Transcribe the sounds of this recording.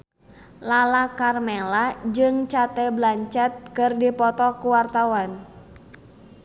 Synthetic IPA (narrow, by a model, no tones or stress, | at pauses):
lalakarmɛlad͡ʒɨŋt͡ʃat̪ɛblaɲt͡ʃɛt̪̚kɨrdipɔt̪ɔkuwart̪awan